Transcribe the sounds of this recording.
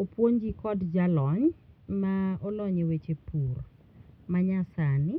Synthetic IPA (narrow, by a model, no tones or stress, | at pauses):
opwoɲd͡ʒikɔdd͡ʒalɔɲmaɔlɔɲewet͡ʃepur | maɲasanɪ